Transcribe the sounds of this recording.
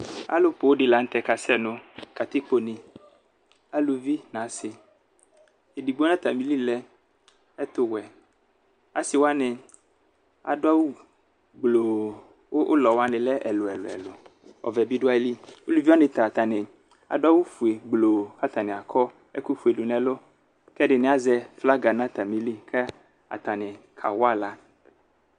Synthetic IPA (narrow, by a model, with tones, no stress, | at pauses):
a̰˨lo˦po˨wo˦ɖɪ˨la˨ŋ̩˦t̪ɛ˨ka˨sɛ˦nʊ̃˦ka˨t̪ɪ˦k͡po˨nɪ̃˨ | a˨lu˨vi˦nã˨˦sɪ˨ | e˨di˨ɡ͡bo˦nã˦t̪a˨mĩ˦li˦lɛ˦ | ɛ˦t̪ʊ˨wɛ˨ | a̰˨sɪ˨wo˦a˦nɪ˨ | a̰˨ɖʊ˦a˦wo˦ | ɡ͡blo˨ | wo˦o̰˦lɔ˨wa˦nɪ̃˨lɛ˦ʔɛ˨lo˨ɛ˨lo̰˨ɛ̰˨lo˨ɔ̰˨vɛ˨bi˦ɖo˦a˦e˦li˦wo˦lu˦vi˦a˦nẽ˨t̪a˨t̪a˨nɪ˨ | a̰˨ɖo˦a˦wu˦fu˨e˨ɡ͡blo˨ka˦t̪a˨nẽ˨a˨kʰɔ˦ | ɛ̰˦ku˦fu˨e˨ɖo˨nɛ̃˨lo˦ | kɛ˦ɖɪ˨nẽ˨˦a˦zɛ˦fla˦ɡa˨nã˦t̪a˨mĩ˦li˦kʰɛ˦ | a̰˨t̪a˨nɪ̃˨ | kʰa̰˨wa˦la˦